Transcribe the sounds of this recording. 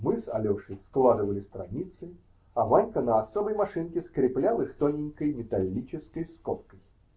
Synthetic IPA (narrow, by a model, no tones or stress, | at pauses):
mɨsɐ̰lʲoʂɨsklˠad̪ɨvəlʲɪst̪ɾɐ̰nʲit̪sɨ | ɐvanʲkənəɐsobəjmɐʂɨnkʲɪskɾʲɪplʲalˠɨxt̪onʲɪŋʲkəjmʲɪt̪ɐlʲːit͡ɕɪskəjskopkəj